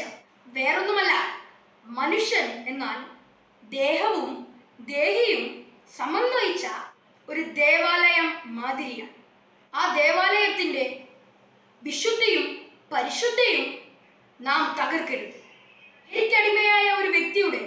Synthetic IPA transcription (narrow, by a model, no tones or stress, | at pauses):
ʋeːrenːumɐlːaː | mɐnuʂjɐne̞nːaːl | d̪e̞ːɦɐʋum | d̪e̞ːɦijum | sɐmɐnːɐjit͡ɕːɐ | o̞ɾud̪e̞ːʋaːlɐjɐmːaːd̪ʱiɾijɐɳ | aːd̪e̞ːʋaːlɐjɐt̪ːinde̞ | ʋiʂud̪ʱːijum | pɐɾiʂud̪ʱːɐjilum | naːmt̪ɐɣɐrkɐɾuðɨ | enikʲːɐɽimɐjaːjɐo̞ɾuʋjek̚t̪ijuɳɖe